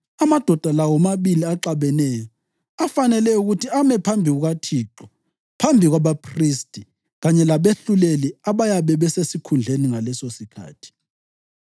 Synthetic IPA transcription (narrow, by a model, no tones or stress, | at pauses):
amad̥ʱɔd̥ʱalawɔmaβiliaǁaβɛnɛjɔ | afanɛlɛuɣutʰiamɛpʰambʱiɣuɣatʰiːǁɔ | pʰambʱiɣwaβapʰristʼi | ɣaɲɛlaβeɬuleliaβajaβɛβɛsesikʰund͡ɮʱeniŋalɛsosikʰa̰ːtʰi̥